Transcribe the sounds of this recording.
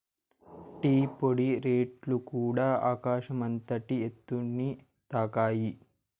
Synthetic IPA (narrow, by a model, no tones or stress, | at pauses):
ʈiːpoɽiɾeːʈlukuːɽaːʔaːkaːʃɐmɐnt̪ɐʈiet̪ːunːi | t̪aːkaːji